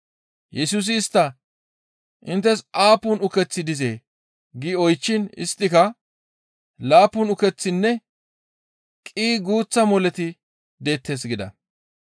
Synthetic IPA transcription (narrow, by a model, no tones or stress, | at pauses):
jɛsus̬ɪːst̪ːɐ | ʔɪnt̪ːɛsaːpːʊnʊkɛt͡sːɪd̪ɪzeː | ɡiɔjt͡ʃːɪnɪ̰st̪ːɪkɐ | laːpːʊnʊkɛt͡sːɪnːɛ | kʼiːɡuːt͡sːɐmɔlɛt̪ɪ | d̪e̞ːt̪ːe̞ːs̬ɡɪd̪ɐ̰